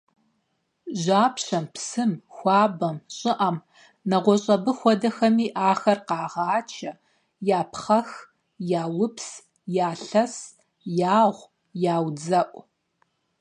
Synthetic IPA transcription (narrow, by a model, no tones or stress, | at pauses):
ʒaːpɕɐmpsɨmxʷɑːbɐmɕʼɪʔɐm | nɐʁʷɔɕʼɐbɨxʷɔdɐxɐmiːʔaːxɐrqɑːʁɑːt͡ʃʰɐ | jaːpχɐx | jaːwʊps | jaːɬɐs | jaːʁʷ | jaːwd͡zɐʔʷʼ